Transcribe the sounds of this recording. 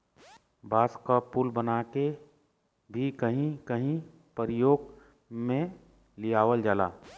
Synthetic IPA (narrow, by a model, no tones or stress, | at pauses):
baːskapʊlbənaːke | bʱikəɦĩkəɦĩ | pəɾɪjoːɡ | mẽ | lijaːʋəld͡ʒala̰ː